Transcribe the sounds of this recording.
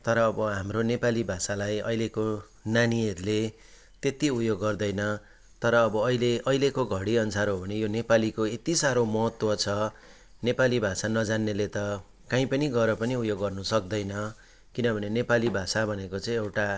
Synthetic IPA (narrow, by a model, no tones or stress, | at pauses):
t̪ʌɾʌːbʌɦamronepalibʱasalajʌ̰jleko | naniʌɾule | t̪et̪iujoɡːʌrd̪ʌjnʌ | t̪ʌɾʌːbʌːileʔʌilekoɡʱʌɽiʌnsaɾɦobʱʌnejonepalikoet̪isaɾomʌɦʌt̪wʌt͡sʰʌ | nepalibʱasanʌd͡zanːelet̪ʌ | kãĩpʌniɡʌɾʌpʌniupjoɡːʌrnusʌk̚d̪ʌjnʌ | kinʌbʱʌnenepalibʱasabʱʌnekot͡sʌ̃ĩewʈa